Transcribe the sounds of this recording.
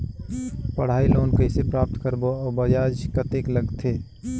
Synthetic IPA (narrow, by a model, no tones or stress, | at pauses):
pəɽ̤aːiloːnkəɪsepɾaːp̚t̪kəɾboɔːbəd͡ʒaːd͡ʒkət̪ekləɡt̪ʰe